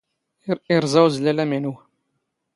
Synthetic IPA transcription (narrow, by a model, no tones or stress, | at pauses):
iɾˤzˤɑwzlælæminu